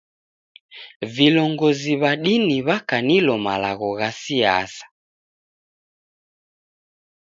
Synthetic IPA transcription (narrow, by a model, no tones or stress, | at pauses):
vilɔŋɡɔziβaɗiniβakanilɔma̰la̰ɣɔɣasia̰sḁ